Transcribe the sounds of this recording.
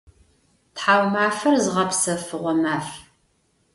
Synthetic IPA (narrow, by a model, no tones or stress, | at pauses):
tħaːwmaːfɐrzɨʁɐpsɐfɨʁʷɔmaːf